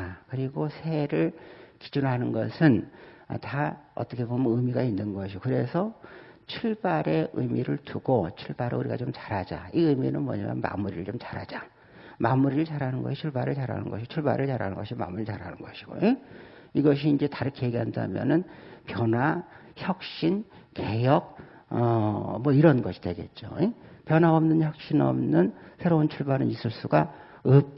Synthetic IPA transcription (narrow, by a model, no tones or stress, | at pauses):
kɯɾiɡosʰeɾɯɭki̥d͡ʑunɦanɯnɡʌsʰɯn | ʌ̰taʌ̰t͈ʌkʰebomnɯmiɡainːɯnɡʌɕʰiokɯɾe̞sʰʌ | t͡ɕʰuɭbaɾe̞ʔɯmiɾɯɭtuɡot͡ɕʰuɭbaɾeuɾiɡa̰t͡ɕomt͡ɕḁɾɦad͡ʑa̰iɯminɯnmwʌ̰ɲa̰mjʌ̰nma̰muɾiɾɯɭt͡ɕomt͡ɕaɾha̰d͡ʑa | mamuɾiɾɯɭt͡ɕaɾɦanɯnɡʌɕʰit͡ɕʰuɭbaɾɯɭt͡ɕaɾɦa̰nɯ̰nɡʌɕʰit͡ɕʰuɭba̰ɾɯɭt͡ɕaɾɦa̰nɯnɡʌɕʰima̰muɾiɭt͡ɕaɾanɯnɡʌɕʰi̥ɡ̥o̰e | iɡʌɕ̬ʰiːnd͡ʑe̞taɾɯkʰejeɡiɦanda̰mjʌ̰nɯnpjʌnwa | çjʌk̚ɕ͈in | ke̞jʌk̚ | ʌmwʌiɾʌnɡʌɕʰi̥deɡe̞̰t̚t͡ɕ͈oepjʌnaʌmnɯnçjʌk̚ɕ͈inʌ̰mnɯnsʰeɾount͡ɕʰuɭbanɯnisʰɯɭs͈uɡa | ɯp̚